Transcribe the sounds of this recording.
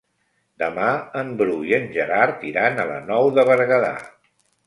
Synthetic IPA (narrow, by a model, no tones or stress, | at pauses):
d̪əmaəmbɾuiənʲʒəɾaɾt̪iɾanələ̰nɔwðəβəɾɣəða̰